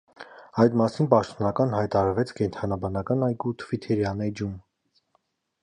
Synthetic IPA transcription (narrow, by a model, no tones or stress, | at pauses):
ɑjd̪mɑsinpɑʃt̪ɔnɑkɑnhɑjt̪ɑɾɑɾvɛt͡sʰkɛnt̪ʰɑnɑbɑnɑkɑnɑjɡut̪ʰvit̪ʰɛɾjɑnɛd͡ʒum